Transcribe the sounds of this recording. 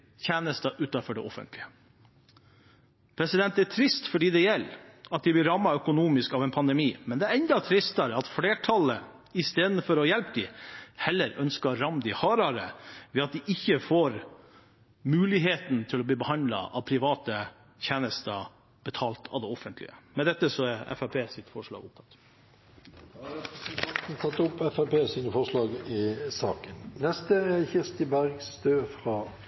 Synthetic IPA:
çæːnəst̪ɑʔʉːt̪ɑfɔɖɛ̰ʔɔfə̰nt̪lɪə | pʰɾɛsɪd̪ɛnt̪æʈ̪ʰɾɪst̪fɔɖiːd̪ɛjɛlːɑt̪̚d̪ɪʋɪlɾɑmːɑœkʊnuːmɪskɑʋɛnpʰɑnd̪ɛmiːmɛnd̪ɛæɾɛnd̪ɑt̪ʰɾɪst̪ɑɾəɑt̪fleːʈʰɑlə | ɪst̪eːd̪n̩fɔɾɔjɛlpd̪ɪhɛlːəɾœnskɑɾɑmd̪ɪhɑːɾɑɾə̰ʋɛːɑt̪̚d̪ɪʔɪçːəfoːɾ | mʉːlɪɦeːt̪nt̪ʰɪlɔbliːbəhɑnd̪lɑ̰ʔɑ̰ʋpʰɾɪʋɑːt̪ə | çæːnəst̪ɑ | b̥ət̪ʰɑːlt̪ʰɑ̰ʋd̪ɛɔfənt̪lɪ̰əmɛd̪ɛt̪ːəsɔæɾɛ̰fæpʰeːsɪt̪fɔʂɭɑ̰ːɡʊp̚t̪ʰɑ̥t̪ː | st̪ʰɑt̪n̩t̪ʰɑt̪ːʊpːɛfæpeːsiːnəfɔʁʂlɑːɡɪsɑ̰ːkənnɛst̪əɛçɪʁst̪ɪbæʁɡsd̪øːfɾɑː

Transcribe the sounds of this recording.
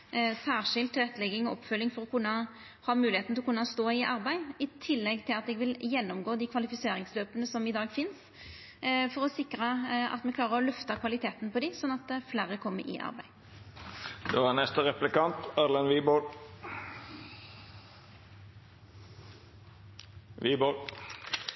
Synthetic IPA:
sæːʁʂɪlt̪ʰːʁɛt̪ːlɛɡːɪŋɔɔpːfœlːɪŋfɔɾɔkʰʉnːɑ | hɑːmʉːlɪeːt̪nɪlɔkʉnːɑst̪oːɪʔɑɾbæɪɪt̪ʰɪlːɛɡt̪ʰɪlɑt̪ɛɡʋɪljɛnːɔmɡoːd̪ikʰʋɑlɪfɪseːɾɪŋsløːpənəsɔmɪd̪ɑːɡfɪns | fɔɾɔsɪkːɾəɑ̰t̪mɛkʰlɑːʁəɾɔlœft̪ɑkʰʋɑlɪt̪ʰeːt̪n̩pɔd̪ɪsɔnːɑt̪̚d̪ɛflæːɾəkʰɔmːə̰ɾɪ̰ʔɑ̰ɾbæɪ | d̪ɛːʋænɛst̪əɾɛplɪkɑnt̪ɑɾlənʋiːbol | ʋiːbol

